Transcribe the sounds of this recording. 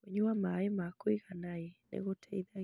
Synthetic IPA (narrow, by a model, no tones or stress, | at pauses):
weɲuamaemakwiɣanajenḛɣotʰɛiða